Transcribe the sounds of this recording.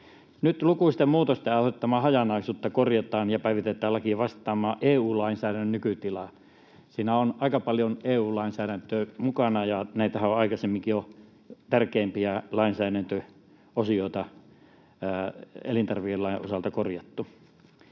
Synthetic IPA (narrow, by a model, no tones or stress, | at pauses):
nyt̪lukuist̪emmuːt̪ost̪æːoh̪et̪ːɑmɑːhɑjɑnɑisuːt̪ːɑkorjɑt̪ɑːnjɑpæiʋit̪et̪ːˑæːlɑkiʋɑst̪ˑɑːmˑɑːʔeːuːlɑinsæːɾænːønnykyt̪ilɑ | siːnæonɑˑikɑpɑljoneːuːlɑˑinsæːɾænt̪ømukɑnɑjɑnæit̪æhæoɑikɑsemːiŋkijo | t̪ærkeːmpiælɑinsæːɾænt̪ø | osioˑit̪ɑ | ḛlint̪ɑrʋielɑiʔʔo̰sɑlt̪ɑkorjɑt̪ːu